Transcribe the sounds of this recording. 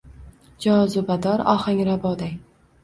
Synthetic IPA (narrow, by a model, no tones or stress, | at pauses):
d͡ʒɒzʊbad̪ɒɾɒ̰haŋɾabɒd̪aj